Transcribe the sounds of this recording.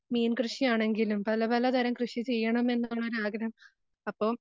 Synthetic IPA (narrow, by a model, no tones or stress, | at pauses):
miːnkrɨʂijaːɳe̞ŋɡilumpɐlɐpɐlɐd̪ʱɐɾɐmkrɨʂit͡ɕe̞jːɐɳɐme̞nːɭːɐoɾuaːɡɐɾɐm | ɐpːoː